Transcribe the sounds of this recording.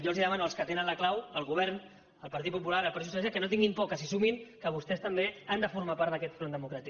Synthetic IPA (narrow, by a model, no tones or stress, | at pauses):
jɔlˠziðəmanuəlskət̪enənləklawəlˠɣuβ̞ɛɾn | əlˠpəɾt̪it̪̚pup̬ulaɾəlˠpaɾt̪isus̬ɛs̬akənot̪iŋɡimpɔkəsisumiŋkəβust̪ɛst̪əmbeand̪əfuɾmapaɾt̪əkɛt̪fɾond̪əmukɾat̪i